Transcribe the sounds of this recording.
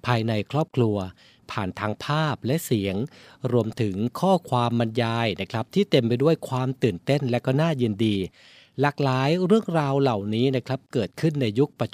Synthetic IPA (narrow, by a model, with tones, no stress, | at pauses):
pʰaː˧jna˧jkʰɾɔː˥˩p̚kʰlu˧ɐ | pʰaː˨˩nt̪ʰaː˧ŋpʰaː˥˩p̚lɛ˦˥ʔsi˩˦əŋɾu˧əmt̪ʰɯ˩˦ŋkʰɔː˥˩kʰwaː˧mːa˧njaː˧jna˦˥kʰɾa˦˥p̚t̪ʰiː˥˩t̪e˧mpa˧jdu˥˩əjkʰwaː˧mt̪ɯː˨˩nt̪e˥˩nlɛ˦˥kɔː˥˩naː˥˩jɯ˧ndiː˧ | laː˨˩k̚laː˨˦jɾɯ˥˩əŋɾaː˧wla˨˩wniː˦˥na˦˥kʰɾa˦˥p̚kɤː˨˩t̪̚kʰɯ˥˩nːa˧jːu˦˥k̚pa˧t͡ɕ